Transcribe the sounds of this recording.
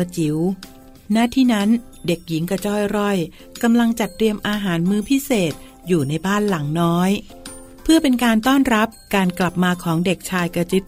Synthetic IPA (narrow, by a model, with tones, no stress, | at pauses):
t͡ɕi˩˦w | naː˥˩t̪ʰiː˥˩na˦˥n | de˨˩k̚ji˩˦ŋka˧t͡ɕɔː˥˩jɾɔ˥˩j | ka˧mla˧ŋt͡ɕa˨˩t̪̚ːɾi˧əmʔaː˧ɦaː˩˦nmɯː˧pʰi˦˥seː˨˩t̪̚ | juː˨˩na˧jbaː˥˩nla˩˦ŋnɔː˦˥j | pʰɯ˥˩ɐpe˧nkaː˧nt̪ɔː˥˩nɾa˦˥p̚kaː˧nkla˨˩p̚maː˧kʰɔː˩˦ŋde˨˩k̚t͡ɕʰaː˧jka˧t͡ɕɯ˦˥t̪̚